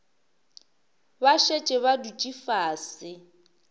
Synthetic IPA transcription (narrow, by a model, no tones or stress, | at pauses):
baʃet͡ʃʼɪβadut͡ʃʼifaːsɪ